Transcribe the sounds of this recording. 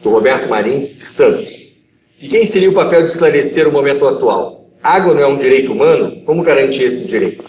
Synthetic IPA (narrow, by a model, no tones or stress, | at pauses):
d̪̥ʊhobɛɾt̪ʊmaɾĩsd͡ʒɪsɐ̃nt̪ʊs | kɪkẽj̃seɾiɐʊpapɛwd͡ʒɪisklaɾeseɾʊmomẽnt̪ʊat̪ua̰w | aɡwɐnɐ̃w̃ɛũd͡ʒiɾejt̪ʊumɐ̃nʊkõmʊɡaɾɐ̃nt͡ʃiɾesɪd͡ʒiɾejt̪ʊ̥